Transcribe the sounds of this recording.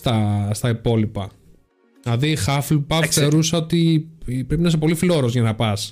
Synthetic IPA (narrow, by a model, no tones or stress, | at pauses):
t̪ɐst̪ɐipo̞lipɐ | lɐðixɐflupɐθθeɾuseo̞t̪ipɾe̞pinɐs̬epo̞lifilo̞ɾozʝɐnɐpɐs